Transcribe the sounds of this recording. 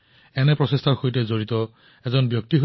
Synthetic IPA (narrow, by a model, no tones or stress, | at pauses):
ɛnɛpɹɔsestʰaɹxojtɛzoɹit̪ɔ | ɛzɔnbjɔk̚tiɦo